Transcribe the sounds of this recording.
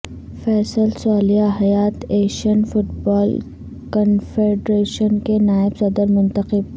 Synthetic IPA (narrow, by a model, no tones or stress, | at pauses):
fɛːsəlsaːlijaɦɐjaːt̪eːʃənfʊʈbɔːl | kənfeːɖɾeːʃənkenaːɪbsɐd̪əɾmʊ̃nt̪əqɪb̚